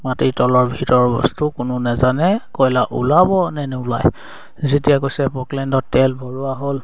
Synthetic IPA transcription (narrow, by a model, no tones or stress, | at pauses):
matitɔlɔɹbʱitɔɹɔbɔ̰stukʊnʊnɛzanɛkɔjlaʔṵlabɔnɛnɛulaj | zetijakojsɛpɔklɛndɔtːɛlbʱɔɹuaɦol